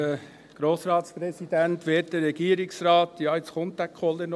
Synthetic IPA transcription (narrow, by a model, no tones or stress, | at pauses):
ə | ɡ̥ɾoːsrɑːt̪spɾɛsid̥æntʋeːt̚d̥ərɛɡ̥iːəɾɪksrɑːtjɑːɪt͡sχʊnt̚d̥ækʰɔlːən